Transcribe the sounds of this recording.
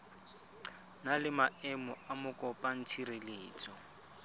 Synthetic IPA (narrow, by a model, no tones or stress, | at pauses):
nalɪmaɛmɔamʊkʼɔpʼan̩tʰireleːt͡sʼɔ